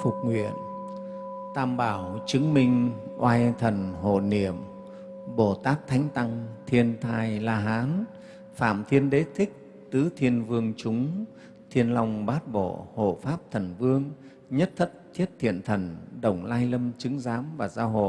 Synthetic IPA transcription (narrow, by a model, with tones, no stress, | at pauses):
fʊ˨˩k͡p̚ŋwḭ˧˨ən | t̪aː˧˩mɓaː˧˩wt͡ɕɨ˨˦əŋmï˧ŋ̟ʔwʔaː˧jt̪ʰə˨˩nɦo̰˧˨ni˧˩˨əm | ɓo˧˩t̪aː˦˥p̚t̪ʰa˨˦jŋ̟t̪a˧ŋt̪ʰi˧ənt̪ʰaː˧jlaː˧ɦaː˨˦n | fa̰ː˧˨mt̪ʰi˧ənɗe˨˦t̪ʰï˦˥k̚ | t̪ɨ˨˦t̪ʰi˧ənvɨ˧əŋt͡ɕʊ˨˦ŋ͡m | t̪ʰi˧ənla˧wŋ͡mɓaː˦˥t̚ɓo̰˧˨ho̰˧˨faː˦˥p̚t̪ʰə˨˩nvɨ˧əŋ | ɲə˦˥t̚t̪ʰə˦˥t̚t̪ʰi˦˥ət̚t̪ʰḭ˧˨ənt̪ʰə˨˩nɗə˨˧˩wŋ͡mlaː˧jlə˧mt͡ɕɨ˨˦ŋzaː˨˦mvaː˨˩zaː˧wɦo̰˧˨